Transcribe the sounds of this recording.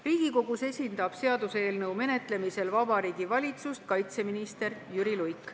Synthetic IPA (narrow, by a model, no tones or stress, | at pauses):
riːɡ̥iko̞ɡ̥use̞sʲind̪̥ɑb̥se̞ɑd̪̥use̞ːlnɤwme̞ne̞t̪le̞mise̞lvɑbɑɾiːɡ̥ivɑlʲit̪sust̪̚kɑjt̪se̞minist̪e̞ɾjyɾilujkːˑ